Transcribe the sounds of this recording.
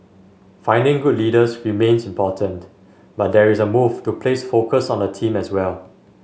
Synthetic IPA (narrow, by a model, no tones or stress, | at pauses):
fãɪ̃ndɪ̃ŋɡudlidəsɹimẽnsĩmpɔtʰə̃nt | bat̚dɛɹisəmuvtupʰlesfokəsɔ̃ndətʰĩmɛswɛl